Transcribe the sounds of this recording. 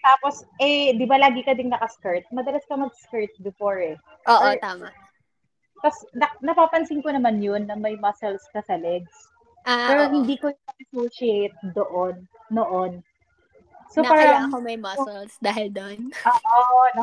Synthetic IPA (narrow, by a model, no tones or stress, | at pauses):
t̪aːposʔɛd̪ɪbalaːɡɪkɐd̪ɪŋnɐkɐskɐɹt̪̚mɐd̪ɐlɐskɐmɐɡ̚skɐɹt̪̚bɛfoɹɛ | ʔoːʔɔt̪aːma | k̪ɐsnɐnɐpaːpɐnsɪŋkonɐmanjonːɐmɐjmɐsɛlskɐsɐlɛɡ̚s | ʔapɛːɾoɦɪnd̪iːkojnɐʔɐsoʃiejt̪̚d̪oʔonː | oʔon | sopaːɾɐɐɐkomɐjmɐɛlsd̪aːɦɪld̪onoːʔon